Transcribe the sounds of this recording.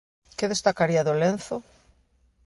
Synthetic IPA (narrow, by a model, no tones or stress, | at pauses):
keðest̪akaɾiaðolen̟θo